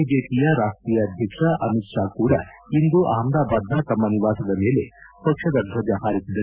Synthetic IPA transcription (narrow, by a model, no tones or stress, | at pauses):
d͡ʒeːpijɐɾaːsʈ̪ɾiːjɐːd̪ʱjɐkʂɐʔɐmit̪ʂaːkuːɽɐ̰ | ind̪uʔɐːɐmd̪aːbaːd̪ʱːɐt̪ɐmːɐniʋaːsɐd̪ɐme̞ːle̞̰pɐkʂɐd̪ɐd̪ʱɾɐd͡ʒahaːɾisid̪ɐ